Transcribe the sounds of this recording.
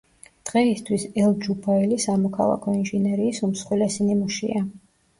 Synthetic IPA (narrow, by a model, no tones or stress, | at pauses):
d̪̥ʁɛist̪ʰwisɛlˠd͡ʒubailisamɔkʰa̰lˠa̰kʰɔinʒinɛɾiːsumsχwilɛsinimuʃḭa